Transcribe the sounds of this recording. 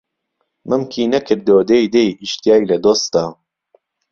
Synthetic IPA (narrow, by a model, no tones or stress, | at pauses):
mʔɨmkʰiːnɐkʰɨɾd̪oːd̪ejd̪ejiʃt̪ijaːjlɐd̪oːs̚aː